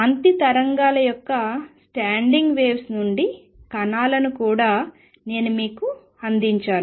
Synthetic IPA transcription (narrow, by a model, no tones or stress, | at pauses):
ɐnt̪it̪ɐɾɐŋɡaːlɐjɔkːɐsʈaːɳɖiŋɡʋe̞ːʋsnuɳɖi | kɐnaːlɐnukuːɽaː | ne̞ːnumiːku | ɐnd̪iɲt͡ʃaːnu